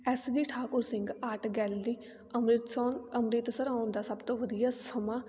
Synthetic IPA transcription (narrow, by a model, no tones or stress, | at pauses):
ɛːsd̪iːʈʰaːkʊɾsɪ̃ŋɡaʈɡɛːld̪iː | əmɾɪt̪sɔːnəmɾɪt̪səɾaːnd̪aːsəbt̪õːʋəd̪ijaːsəmãː